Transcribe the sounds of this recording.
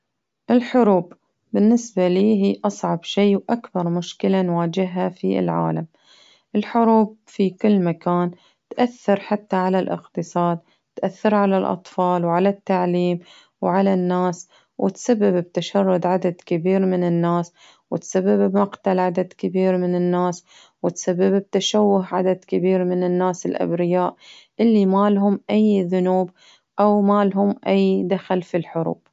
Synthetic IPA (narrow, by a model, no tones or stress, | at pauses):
ʔɪlħʊɾuːbː | ɪnːɪsbaliːɦiːʔɑsˤʕɑbʃeːwʔakbɑɾˤmʊʃkɪlanwaːd͡ʒɪɦafḭlʕa̰ːlam | ʔɪlħʊɾuːb̚fikɪlːmakaːn | t̪ʔaθːɑɾħat̪ːaʕalalʔɪ̰qt̪ɨsˤɑːd̪̚ | t̪ʔaθːɪɾʕalalʔɑ̰t̪ˤfɑːlwʕalat̪ːaʕliːm | wʕalanːaːs | wʔɪ̰t̪sabːɪbb̚t̪aʃɑrˤːʊd̪ʕad̪ad̪kɪbiːɾmɪnɪnːaːs | wɪt̪sabːɪbmaqt̪alʕad̪ad̪kɪbiːɾmɪnɪnːaːs | wɪt̪sabːɪbb̚t̪aʃawːʊɦʕad̪ad̪kɪbiːɾmɪnɪnːaːsɪlʔa̰bɾɪjaːʔʔɪlːimalɦʊmʔajðʊnuːb | ʔawmaːlɦʊmʔajd̪axalfilħʊɾṵːb̥